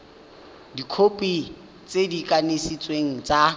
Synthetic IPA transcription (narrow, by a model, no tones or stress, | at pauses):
dikʰopʼi | t͡sʼedikʼanesit͡sʼweŋ̩t͡sʼa